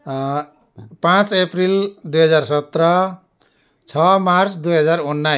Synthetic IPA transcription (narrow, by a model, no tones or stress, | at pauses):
pãt͡seprild̪ujɦʌd͡zarsʌt̪rʌ | t͡sʰʌmart͡sd̪ujɦʌd͡zaɾunːa